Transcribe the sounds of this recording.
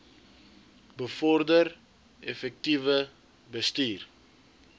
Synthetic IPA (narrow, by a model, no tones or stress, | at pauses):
bəfɔrdər | ɛfɛk̚tivə | bəstiːr